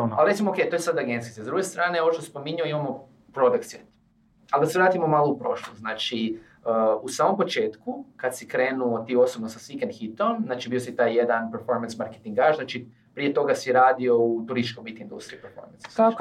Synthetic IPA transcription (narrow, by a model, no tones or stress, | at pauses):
alɾesimooke̞jt̪o̞jesad̪aɡenskisezd̪ɾuɡest̪ɾaːneo̞ʋoʃt̪ose̥po̞miɲuoimamo̞ | pɾo̞d̪akt̪set̪ | ald̪aseʋɾaːt̪imomaːloupɾo̞ʃlˠoznaːt͡ʃi | əusaːmo̞mpo̞t͡ʃe̞ːt̪kukat̪sikɾeːnuot̪iːo̞sobnosasʋikend̪xit̪omznaːt͡ʃibiosit̪aːjjed̪anpeɾfo̞ɾmansmaɾke̥t̪iŋɡaʒznaːt͡ʃi | pɾijet̪o̞ɡasiɾaːd̪io̞ut̪uɾisit͡ʃkombit̪ind̪ṵst̪ɾijupeɾfo̰ɾmens